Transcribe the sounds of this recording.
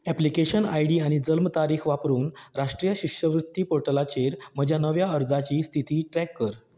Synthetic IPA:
ɛplikeɕənajɽiːaɽ̃id͡zəlmt̪aɾiːxʰʋapɾuːnɾaʂʈɾijəɕikʂəʋɾut̪ːiːpoɾʈəlat͡ɕeɾm̤əd͡ʑʱjanəʋjaəɾd͡zat͡ɕiːst̪ʰit̪iːʈɾɛkːəɾ

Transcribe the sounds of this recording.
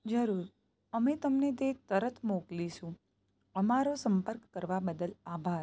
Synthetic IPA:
d͡ʒəɾuɾ | əmet̪əmnet̪̬et̪əɾət̪ʰmokliʃũ | əmaɾosəmpəɾkːəɾʋabəd̪əlabʱaɾ

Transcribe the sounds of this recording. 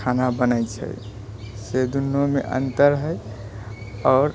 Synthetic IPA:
anabənət͡ʃʰə̰j | sed̪unːomḛʔə̰nt̪əɾɦəj | ɔːɾ

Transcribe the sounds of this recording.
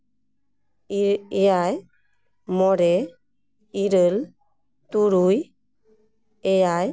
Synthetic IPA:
ɛjaj | mɔɾɛ | iɾəl | t̪uɾuj | ɛjaj

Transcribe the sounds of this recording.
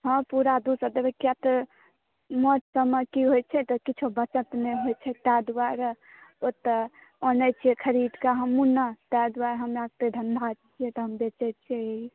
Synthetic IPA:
ɦə̃mpuɾad̪usəd̪ebɛkːijat̪ə | moʈsəməkiɦojt͡ʃʰɛt̪ɔkit͡ʃʰubət͡ʃət̪meɦojt͡ʃʰɛt̪ad̪uaɾ | ot̪ə | onɛt͡ʃʰiɛkʰəɾid̪kaɦəmunət̪ad̪uwaɾɦəmɾaɡ̚t̪ed̪ʱənd̪ʱat͡ʃʰijɛt̪ɔɦəmbet͡ʃɛt͡ʃʰɛ

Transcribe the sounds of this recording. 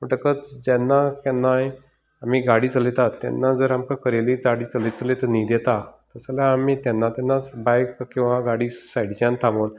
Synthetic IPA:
məʈəkət͡sd͡ʑɛnːakɛnːaj | am̤iːɡaɽiːt͡səlit̪at̪ːɛ̰nːad͡zəɾamkakəɾelid͡zaɽiːt͡səlit͡səlit̪ənid̪ɛt̪at̪əsaljaːmiːt̪ɛnːat̪jɛnːabajkkĩw̃ʋãɡaɽiːsajɽt͡ɕãnt̪ʰamon

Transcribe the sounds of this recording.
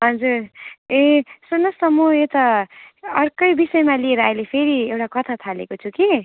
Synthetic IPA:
ɦʌd͡zuɾesunʌsʌmoet̪ʌ | ʌrkʌjbisʌemalieɾʌʌjlepʰeɾiewʈakʌt̪ʰat̪ʰalḛkot͡sʰuki

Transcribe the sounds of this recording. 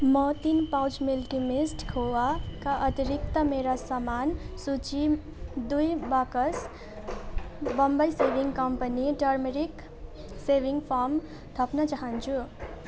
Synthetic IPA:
mʌt̪inpawt͡ʃmelʈimisʈkʰowakaʔʌt̪iɾik̚t̪ʌmeɾasʌmansut͡ʃi | d̪ujbakʌs | bʌmbəjsebiŋɡkʌmpəniʈʌɾmeɾik | sebʱiŋɡpʰaɾm | t̪ʰʌpnʌt͡saɦʌnt͡ʃʰu

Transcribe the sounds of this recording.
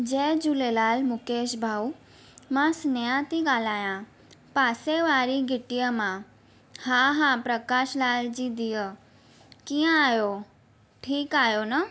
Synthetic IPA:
d͡ʑeːd͡ʑulelaːlmʊkeːʃbʱau | mãsnjãt̪iɡalaːjã | paseʋaɾiɡʱɪʈijəmã | haɦãpɾəkaːʃlald͡ʑid̪ijə | kijə̃aɦjo | ʈʰiːkaːɦjonə

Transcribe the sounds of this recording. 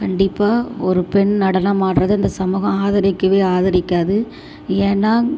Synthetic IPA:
kɐɳɖɪpːaːɔɾɯpɛɳnɐɽɐnɐmaːʈɾɐðɯɐnd̪ɐsɐmuːɣɐ̃aːðɐɾɪkːɯʋeːaːðɐɾɪkːaːðɯ | eːnːaː

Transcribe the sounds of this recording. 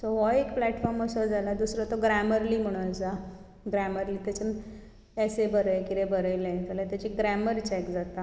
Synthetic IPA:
soʋɔekplæʈfɔɾməsɔd͡zʱalad̪usɾɔt̪ɔɡɾæməɾliːm̤əɽ̃ũat͡sa | ɡɾæməɾliːt̪at͡ɕa | ɛsebəɾəjkiɾebəɾəjlẽt̪əlat̪jat͡ɕiɡɾæməɾt͡ɕɛkd͡zat̪a

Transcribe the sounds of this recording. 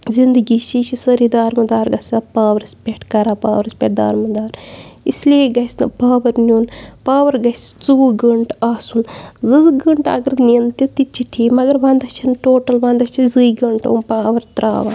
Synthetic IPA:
zind̪ɨɡit͡ʃit͡ʃʰisɐɾid̪aːɾmɐd̪aːɾɡɐsaːpaːʋɐɾɐsʲpʲeʈʰkɐɾaːpa̰ːʋɐɾɐspʲeʈ̚d̪a̰ːɾmɐd̪aːɾisleːɡɐsnɨ̰paːʋɐɾnuːnpaːʋɐɾɡɐst͡suːɡəɳʈaːsunzɨzɡəɳʈɐ̰ɡɐɾniɐnt̪it̪it͡ʃʰiʈʰiːmɐɡɐɾʋɐnd̪ɐt͡ʃʰinʈoːʈɐlʋɐnd̪ɐt͡ʃʰizɨiɡəɳʈɐ̰npaːʋɐɾt̪ɾa̰ːʋa̰

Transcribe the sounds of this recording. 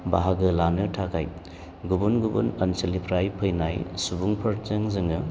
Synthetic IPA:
baɦaɡɯlanɯtʰakʰaj | ɡubunɡubṵnɐnsɐlipʰɾajpʰɐjnajsubuŋpʰɐɾzɐŋzɯŋɯ

